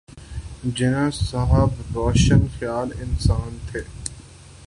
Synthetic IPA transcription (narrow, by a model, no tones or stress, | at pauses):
d͡ʒɪnãsɐɦəbɾoːʃənxjaːlɪnsaːnt̪ʰeː